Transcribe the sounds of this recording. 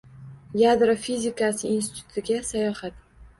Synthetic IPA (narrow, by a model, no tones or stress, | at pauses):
jad̪ɾofizʲɪkasɪinst̪ɪ̥ɪt̪ʰʊ̥t̪ɪɡʲasajɒhat̪